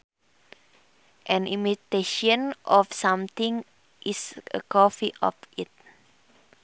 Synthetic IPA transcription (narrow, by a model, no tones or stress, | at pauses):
ʔɛ̃nimit̪eʃɔ̃nʔɔfsãmt̪ĩŋ | ʔisə̰kɔfiʔɔ̰fʔit̚